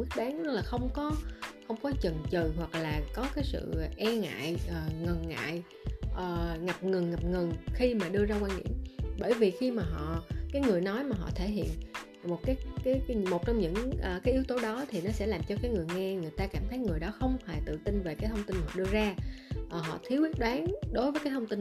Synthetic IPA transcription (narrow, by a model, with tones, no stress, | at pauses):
kwi˦˥ət̚ɓaː˨˦n˧˦laː˨˩xə˧wŋ͡mkɔ˨˦xə˧wŋ͡mkɔ˨˦t͡ɕə˨˩nt͡ɕɨ˨˩ɦwa˨˩k̚laː˨˩kɔ˨˦kaː˨˦jsɨ̰˧˨ʔɛ˧ŋa̰ː˧˨jʔəː˨˩ŋə˨˩nŋa̰ː˧˨j | ʔəː˨˩ŋa˨˩p̚ŋɨ˨˩ŋŋa˨˩p̚ŋɨ˨˩ŋxi˧maː˨˩ɗɨ˧əzaː˧kwaː˧nɗḭ˧˥əmɓəː˧˩jvi˨˩xi˧maː˨˩ɦɔ̰˧˨kaː˨˦jŋɨ˨˩əjnɔ˨˦jmaː˨˩ɦɔ̰˧˨t̪ʰe˧˩ɦḭ˧˨ən | mo˨˩t̚kaː˨˦jaː˨˦jmo˨˩t̚t͡ɕɔ˧wŋ͡mɲɨ̰˧˥ŋʔːkaː˨˦jʔi˨˦wt̪o˨˦ɗɔ˨˦t̪ʰi˨˩nɔ˨˦sɛ̰˧˥laː˨˩mt͡ɕɔ˧kaː˨˦jŋɨ˨˩əjŋɛ˧ŋɨ˨˩əjt̪aː˧kaː˧˩mt̪ʰə˨˦jŋɨ˨˩əjɗɔ˨˦xə˧wŋ͡mfe˨˩t̪ɨ̰˧˨t̪ï˧nve˨˩kaː˨˦t̪ʰə˧wŋ͡mt̪i˧nhɔ̰˧˨ɗɨ˧əzaː˧ʔəː˨˩ɦɔ̰˧˨t̪ʰi˨˦əwʔi˦˥ət̚ɗwaː˨˦ŋɗo˨˦jvəː˨˦jkaː˨˦jt̪ʰwŋ͡mt̪i˧n